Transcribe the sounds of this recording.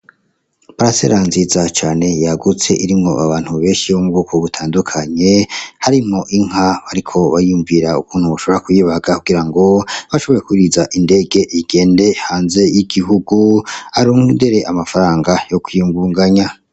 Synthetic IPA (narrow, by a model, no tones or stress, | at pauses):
baɾasḛɾanzizat͡ʃaːne̞jaɡut͡se̞ʔiɾimŋo̞ʔaβaːn̥huβe̞ːnʃijomubɡuːkʰo̞βutʰaːndukʰaɲe̞haɾimŋo̞ʔiŋ̥ɦaβaɾikʰo̞βajijuɱviɾaukʰuːn̥huβaʃo̞βoɾakujiːβaɡakuɡiɾaŋɡo̞βaʃo̞βo̞jekuiɾizaʔinde̞ɡe̞ʔiɡe̞ːnde̞haːnze̞jiɡiɦuɡuhaɾuːŋundeɾeʔamafaɾaːŋɡajo̞kwijuːŋɡuːŋɡaɲa